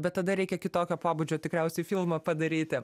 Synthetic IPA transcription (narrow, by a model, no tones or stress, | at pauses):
bʲɛt̪t̪ːɐd̪ɐɾʲɛɪkʲɛkʲɪt̪oːkʲoːpoːbud͡ʒʲoːt̪ʲɪkɾʲɛʊsʲɛɪfʲilˠmɐpɐd̪ɐɾʲiːt̪ʲɪ